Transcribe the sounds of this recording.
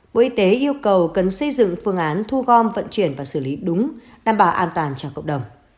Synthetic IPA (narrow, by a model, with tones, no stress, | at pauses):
ɓo̰˧˩ʔi˧t̪e˨˦ʔi˧əwkə˨˩wkə˨˩nsə˧jzɨ̰˧˨ŋfɨ˧əŋʔaː˨˦nt̪ʰu˧ɣɔ˧mvə̰˧˨nt͡ɕwi˧˩ənvaː˨˩sɨ˧˩li˨˦ɗʊ˨˦ŋ͡m | ɗaː˨˩mɓaː˧˨˩wʔaː˧nt̪waː˨˩nt͡ɕɔ˧˩kə̰˧˨wk͡p̚ɗə˨˩wŋ͡m